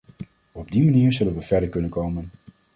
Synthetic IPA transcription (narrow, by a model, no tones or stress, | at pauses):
ɔb̚dimaniːɹzɵlənʋəvɛɹdəɹkɵnənkowmən